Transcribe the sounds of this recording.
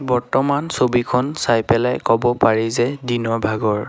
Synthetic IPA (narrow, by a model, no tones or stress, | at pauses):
bɔɹtɔmansobikʰɔnsajpɛlajkɔbɔpaɹizɛdinɔɹbʱaɡɔɹ